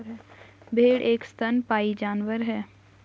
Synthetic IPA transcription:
ɦ | bʱeːɽʔeːkst̪ʰənpaːid͡ʒaːnʋəɾɦɛː

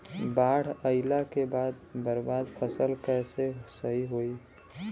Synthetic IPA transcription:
baɽ̤əɪlakebad̪̚bəɾbad̪pʰəsəlkɛsesəɦiɦoi

